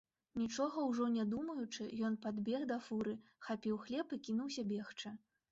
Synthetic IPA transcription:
nʲit͡ʂɔɣɐwʐɔnʲad̪umɐjut͡ʂɨjɔnpad̪bʲɛɣd̪ɐfuɾɨxapʲiwxlʲɛpɨkʲinuwsʲɐbʲɛxt͡ʂɐ

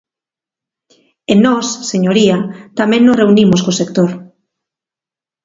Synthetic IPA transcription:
enːɔsːeɲoɾiat̪amẽŋnoreunimoskosekt̪oɾ

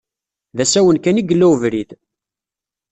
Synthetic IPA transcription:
ðæsæwənkæniɡəlːæwəvɾid̪

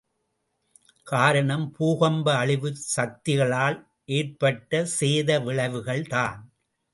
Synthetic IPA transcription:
kaːɾɐɳɐmpuːɣɐmbɐːɭɪʋɯsɐk̚t̪ɪɣɐɭaːl | ʔeːɾpɐʈːɐseːðɐʋɪɭɐʋɯɣɐɭt̪a̰ːn

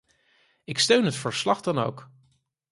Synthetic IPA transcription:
ɪkstøɥnɦətfəɹslɑχdɑno̰wk

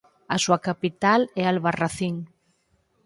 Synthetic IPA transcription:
asuakapit̪alɛalβaraθiŋ

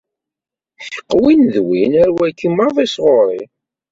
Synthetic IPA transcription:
θə̥qːwinðwinæɾwækːimɑðˤisʁoɾˤi

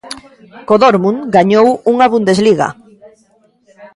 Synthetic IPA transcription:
koðoɾmuŋɡaɲowuŋaβund̪ezliɣa̰

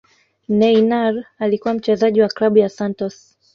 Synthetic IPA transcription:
nɛinaɾalikuwam̩t͡ʃɛzaʄiwaklaɓujasantɔs

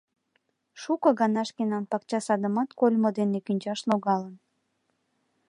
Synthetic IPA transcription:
ʃukɤɣɑnɑʃkenɑnpɑkt͡ɕɑsɑd̪əmɑt̪kolʲmod̪enekynʲt͡ɕɑʃnoɣɑlən

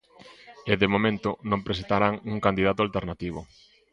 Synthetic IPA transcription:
ɪðemomẽnt̪ʊnõmpɾesent̪aɾaŋuŋkand̪iðat̪ʊalt̪eɾnat̪iβ̞ʊ̰

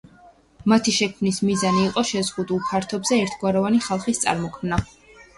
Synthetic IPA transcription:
mat̪ʰiʃɛkʰmnismizaniːqʼɔʃɛzʁud̪ulˠpʰaɾt̪ʰɔbzɛɛɾt̪ʰɡwaɾɔvaniχalˠχist̪sʼa̰ɾmɔkʰmna

